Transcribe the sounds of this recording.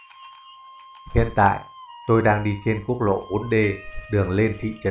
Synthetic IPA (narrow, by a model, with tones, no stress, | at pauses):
hḭ˧˨ənt̪a̰ː˧˨j | t̪o˧jɗaː˧ŋɗi˧t͡ɕe˧nku˦˥ək̚lo̰˧˨ʔu˨˦ənɗe˧ɗɨ˨˩əŋle˧nt̪ʰḭ˧˨t͡ɕə˨˦